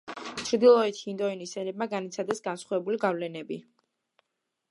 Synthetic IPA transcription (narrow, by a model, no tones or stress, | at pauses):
t͡ʃʰɾd̪ilˠɔɛt̪ʰhind̪ɔinisɛnɛb̚maɡanit̪sʰad̪ɛsɡansχavɛbuliɡavlɛnɛbi